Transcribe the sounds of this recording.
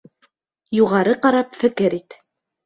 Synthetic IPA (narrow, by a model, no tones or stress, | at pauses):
juʁɑɾɤqɑɾɑpfɘ̆kɘɾit̪